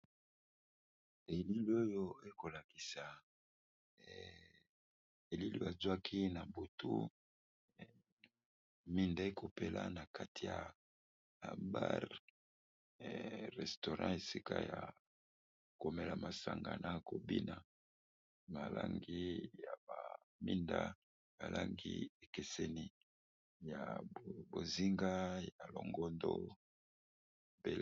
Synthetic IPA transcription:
e˨li˦li˦o˦jo˦e˦ko˨la˨ki˨sa˨ | e˨li˦lḭ˦a˨zwa˦kʰi˦na˨bu˨tṵ˦ | mi˦nda˦e˦ko˨pe˦lʔa̰˦na˨ka˦tʰi˨ja˨ | a˨ba˦ʁ | ʁɛ˨sto˨ʁã˦e˨si˦ka˦ja˨ | ko˨me˦la˨ma˨sa˨ŋɡa˨nʔa˦ko˨bi˦na˨ | ma˨la˦ŋɡi˦ja˨ba˨ | mi˦nda˦ | ma˨la˦ŋɡi˦e˨ke˨sɛ˦ni˨ | ja˨bo˨zi˦ŋɡa˦ja˨lo˨ŋɡɔ˦ndo˦ | be˨

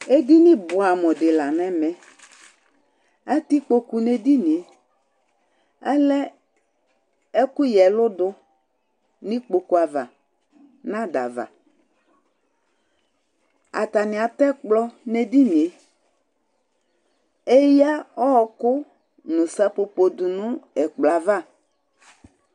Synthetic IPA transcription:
e˦di˦nĩ˦bʊ˨a˨mɔ˨dɪ˨la˨nɛ̃˦mɛ̃˨ | a˦t̪i˦k͡po˦ku˨ne˨d̪i˦nĩ˨e˨ | ɛ˦lɛ˦ | e˦kʊ˦jɛ˨lʊ˦dʊ˦ | nĩ˦k͡po˨ku˨˦a˨va̰˨ | nã˦da̰˨va̰˨ | a̰˨t̪a˨nɪ̃˨a˨t̪ɛ˦k͡plɔ˦ne˨d̪i˦nĩ˨e˨ | e˦ja˦ɔ˦ɔ˨kʊ˦ | nũ˨sa˦po˨po˨d̪u˨nũ˦ɛ˨k͡pla˨va˦˨

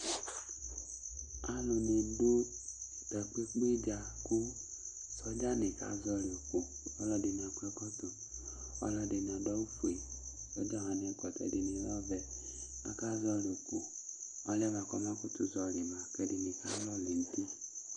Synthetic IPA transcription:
a˧lo˨ne˨˦do˦ | tɛ˨k͡pe˦k͡pe˦d͡ʒa˧˨ku˦ | sɔ˦d͡ʒa˦ne˨ka̰˨˦zɔ˧li˨o˨ko˨ | ɔ˦lɔ˧de˧n˨a˨ku˦ɛ˦kɔ˦tu˨ | ɔ̰˦lɔ˧de˨n˨a˨dɔ˦u˦fu˨e˨ | sɔ˨˦d͡ʒa˦˨a˨n˨ɛ˧˦kɔ˨tɛ̰˧˨di˨ne˨˦lɔ˦vɛ˧ | a̰˦ka˦zɔ˧li˨o˨ku˨ | ɔ˧˦lɛ˦βa˨kɔ˧˦ma˦ku˦tu˨zɔ˧li˨ma˨kɛ˧di˨ne˨ka˨˦lɔ˦˨le˨n̩˦ti˦

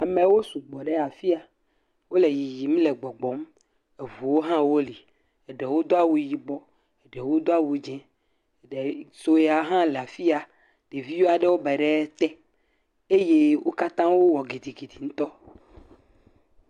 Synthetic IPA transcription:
a˨mẽ˨wo˦su˨ɡ͡bɔ˨ɖe˦a˨fi˦a˨ | wo˦le˨ji˨ji˨m˦le˨ɡ͡bɔ˨ɡ͡bɔ˨˦m | e˨vu˨wo˦ɦã˦wo˦li˨ | e˨ɖe˨wo˦d̪o˦a˦wu˨ji˨ɡ͡bɔ˦ | e˨ɖɛ˨wo˦d̪o˦a˦wu˨d͡ʒɛ̃˦˨ | ɖe˨so˦je˦˨a˨ɦã˦lɛ˨a˨fi˦a˨ | ɖ̥e˨vi˦wo˦a˨ɖe˦wo˦bɛ˨ɖɛ˦t̪ɛ˦ | e˦je˦wʔo˦ka˦t̪ã˦wo˦wɔ˨ɡi˨d̪i˨ɡi˨d̪i˨ŋ̩̃˦t̪ɔ˦

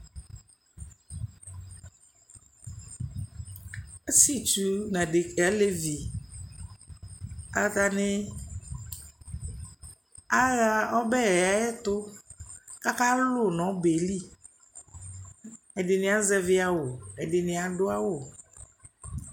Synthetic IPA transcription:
e˦si˦t͡ʃu˨nã˨ɖe˨kɛ˨˦le˦vi˨ | a˨t̪a˦ne˦ | a˦ɣa˦ɔ˦bɛ˦ɛ˨a˦ɛ˦t̪ʊ˦ | ka˦ka˦lʊ˦nɔ̃˨˦be˨li˦˨ | e˨ɖɪ˨nẽ˨˦a˦zɛ˦vɪ˦a˨wo˨e˨ɖe˨nẽ˨a˨ɖʊ˦a˦wo˨

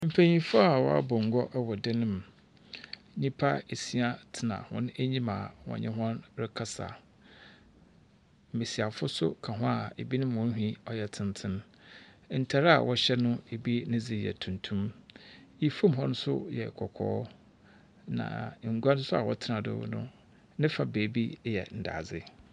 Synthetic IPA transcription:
m̩˨pʰæ̃˨ɲĩ˦fʊ˦a˨wɔ̰˦a̰˦bɔ˨ŋ̩˨ɡɔ˦ʔwɔ˨dɪ˦nɪ̃˦m˨ | ɲĩ˦pʰa˦e˨si˦a˦tʰɪ˨nã̰˨hɔ̰̃˦n˦e˦ɲĩ˦mã̰˨wɔ̰̃˨ɲɪ̃˦ɦɔ̃˦nɾɪ˦kʰa˦sa̰˨ | m̩˨me˨si˨a˨fʊ˦sʊ̰˦kʰa˨ɦʊ̃˦a˨e˨bi˦nɪ̃˦mʊ̃˨˦ɦĩ˦ɔ˦jɛ˦tʰɪ̃˦ntʰɪ̃˦n | n̩˨tʰa˨ɾa˨wʔɔ˦ɕɛ˦nʊ̃˦e˨bi˦nɪ̃˦d͡zi˨jɛ̰˨tʰũ˨ntʰũ˦m | i˦fo˦mɦɔ̃˦nʊ̃˦sʊ̰˦jɛ˨kʰɔ˨kʰɔ̰ː˦ | nã̰˨ŋ̩˨ɡu˦a˦nʊ̃˦sʊ˦a̰˨wɔ̰˦tʰɪ˦nã˨dʊ̰˦nʊ̰̃˦ | nɪ̃˦fa˨beː˨bi˦jɛ̰˨n̩˨da̰ː˨d͡zɪ˦

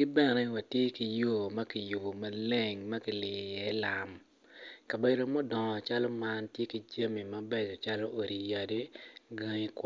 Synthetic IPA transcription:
ɡɪ˦bɛ˦nɛ˨wa˨tje˦ki˨jo˨mɐ˦ki˨jo˨o˨ma˦le˦˨ŋmɐ˦ki˨lɪ˨jɛ˨˦la˨m | ka˨be˨do˨mɔ˦dɔ˨ŋɔ˨t͡ʃa˦lɔ˦ma˦ntje˦ki˨d͡ʒa˦mi˨mɐ˦bɛ˨d͡ʒɔ˨t͡ʃa˦lɔ˦ʔo˨ɾi˨ja˨di˦ɡa˦ŋi˦kw

